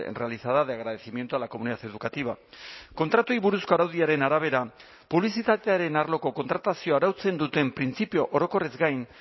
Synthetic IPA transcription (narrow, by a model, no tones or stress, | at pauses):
re̞alisaðaðeaɣɾaðe̞simjent̪ualako̞muniðat̪e̞ð̞ukat̪iβ̞ako̞nt̪ɾat̪uiβuɾusko̞aɾawðiaɾe̞naɾaβ̞e̞ɾa | puβlisit̪at̪eaɾe̞naɾlo̞ko̞ko̞nt̪ɾat̪asio̞aɾawt͡se̞nd̪ut̪e̞mpɾint͡sipio̞ʔoɾo̞ko̞rezɡajn